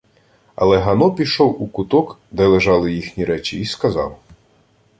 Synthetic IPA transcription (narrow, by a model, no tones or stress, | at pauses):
ɐ̰lˠɛɦɐnɔpʲiʃɔwukʊt̪ɔkd̪ɛlˠeʒɑlˠɪjixnʲiɾɛt͡ʃʲiːskɐzɑ̰w